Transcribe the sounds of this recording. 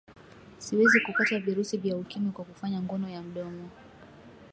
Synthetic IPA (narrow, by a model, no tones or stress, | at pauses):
siwɛzikukataviɾusivjaukimikwakufaɲaŋɡɔnɔjam̩ɗɔmɔ